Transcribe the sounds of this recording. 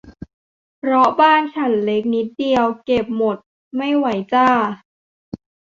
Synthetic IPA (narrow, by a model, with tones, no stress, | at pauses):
pʰɾɔ˦˥baː˥˩nt͡ɕʰa˨˩˦nle˦˥k̚ni˦˥t̪̚di˧əwke˨˩p̚mo˨˩t̪̚ | ma˥˩jwa˩˦jt͡ɕaː˧˥˩